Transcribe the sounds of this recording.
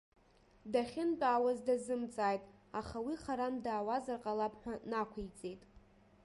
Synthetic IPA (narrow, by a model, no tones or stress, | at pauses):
daχʲɪnpʼaːwazdazɨmt͡sʼaːjtʼaχawiχaɾandaːwazarqʼalapʰʼħʷᶣanakʷʰijt͡sʼe̞jtʼ